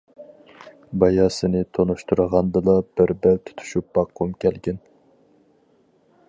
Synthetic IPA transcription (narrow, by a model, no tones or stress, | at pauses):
bɑjɑːsɨnɪt̪ʰonuʃt̪uɾəʁɑnd̪ɨlˠɑb̥ɪɾbælt̪ʰu̥t̪ʰu̥ʃup̚b̥ɑqʰːumkʲʰɛlɡʲɛn